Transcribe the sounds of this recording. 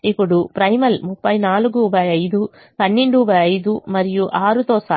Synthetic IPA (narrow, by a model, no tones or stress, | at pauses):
ipːuɽupɾɐjmɐlmupːɐjnaːluɡubaːjɐjd̪u | pɐnːeɳɖubɐːjɐjd̪umɐɾijuʔaːɾut̪oːsaː